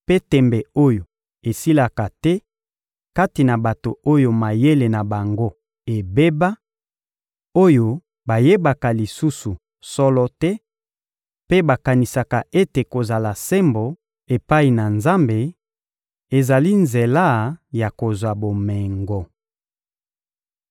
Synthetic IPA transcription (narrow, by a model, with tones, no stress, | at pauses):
pe˦tɛ˨mbɛ˨o˦jo˨ | e˨si˦la˨ka˨tɛ˦ | ka˦ti˨na˨ba˨to˨o˦jo˨ma˨je˦le˨na˨ba˨ŋɡo˦ | e˨be˦ba˦ | o˦jo˨ | ba˨je˦ba˨ka˨li˨su˦su˨ | sɔ˦lɔ˦tɛ˦ | pe˦ba˨ka˨ni˨sa˨ka˨e˦te˨ko˨za˨la˨sɛ˦mbo˨ | e˨pa˦i˨na˨nza˦mbe˨ | e˨za˨li˦nze˨la˦˨ja˨ko˨zwa˨bo˨mɛ˨ŋɡɔ˨